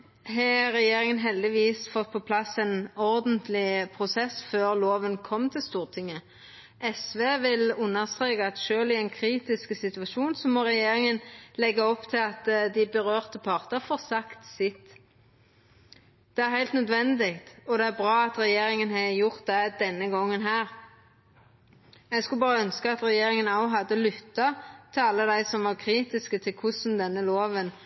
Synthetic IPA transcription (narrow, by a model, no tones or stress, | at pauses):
ɦɑɾɛjeːɾɪŋənɦɛld̪ɪʋiːsfɔt̪̚ːpʰɔpʰlɑsɛnɔʁd̪ənt̪lɪpʰʁʊsɛsføːʁloːʋənkʰɔmːt̪ʰɪlst̪uːʁt̪ʰɪŋːə | ʔɛsʋeːʋɪlʉnːəʁst̪ʁeːkɑɑt̪ʃøːlɪæɛɪnkʰɾiːt̪ɪskəsɪt̪ʉɑʃuːnsɔmɔʁɛjeːɾɪŋənlɛɡəɔpːt̪ʰɪlɑt̪d̪ɪbəʁøːʁt̪əpʰɑʁt̪əfoːʁsɑkt̪sɪt̪ː | d̪̥ɛæɾhæɪlt̪nœd̪ʋɛnd̪ɪkt̪ɔd̪ɛæɾbʁɑːɑt̪ɾɛjeːɾɪŋənɦɑjʊʁt̪̚d̪ɛd̪ɛnːəɡɔŋːənɦæːɾ | ɛɡskʉlbɑːʁəœnskəɑt̪ʁɛjeːɾɪŋənɑʊɦɑd̪ːəlʏt̪ːɑt̪ʰɪɑlːəd̪æɪsɔmʋɑʁkʰɾiːt̪ɪskət̪ʰɪlkʰʊsn̩d̪ɛnːəloːʋən